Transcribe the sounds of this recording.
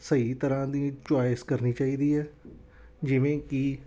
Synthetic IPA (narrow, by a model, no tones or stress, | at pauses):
səiːt̪əɾãːd̪iːt͡ʃwaːɪskəɾniːt͡ʃaːiːd̪iːɦɛː | d͡ʒɪʋẽːki